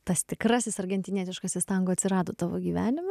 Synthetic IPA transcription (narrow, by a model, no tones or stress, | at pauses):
t̪ɐst̪ʲɪkɾɑːsʲɪsɐrɡʲɛnʲt̪ʲɪnʲiːt̪ʲɪʃkɑsʲɪst̪ɐŋɡoːɐt̪ʲsʲɪɾɑːd̪oːt̪ɑːʋo̰ːɡʲiːʋʲæːnʲɪmɐ